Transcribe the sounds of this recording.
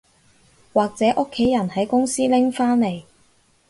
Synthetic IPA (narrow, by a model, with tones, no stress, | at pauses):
waː˨k̚t͡sɛː˨˥ʔʊ˥kʰːe˨˥jːɐ˨˩nhɐ˨˥jkʊ˥ŋsiː˥lɪ˥ŋfaː˥nle˨˩j